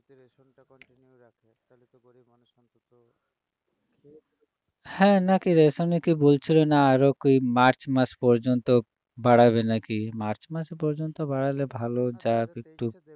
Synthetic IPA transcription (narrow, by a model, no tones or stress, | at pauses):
hɛ̃nakiɾesonikibolt͡ɕʰilonaaɾokoimaɾt͡ɕmaspɔɾd͡ʑɔnt̪o | baɽaβenakimaɾt͡ʃmasepɔɾd͡ʑont̪obaɽalebʱalod͡ʑabekʈu